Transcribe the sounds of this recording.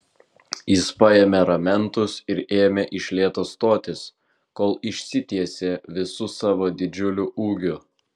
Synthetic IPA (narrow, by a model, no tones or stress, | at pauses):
jɪspɐjɛːmʲɛɾɐmʲɛnt̪ʊsɪɾeːmʲɛʔɪʃʲlʲeːt̪oːst̪oːt̪ʲɪs | koːlˠɪʃʲsʲɪt̪ʲiɛsʲeːʋʲɪsʊsɑːʋoːd̪ʲɪd͡ʒʲʊlʲʊʔuːɡʲʊ